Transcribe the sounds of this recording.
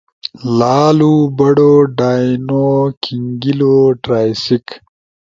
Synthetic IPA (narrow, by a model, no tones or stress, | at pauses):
laːlubɐɽoːɖaːjnoːkʰiŋɡiloːʈɾaːjsik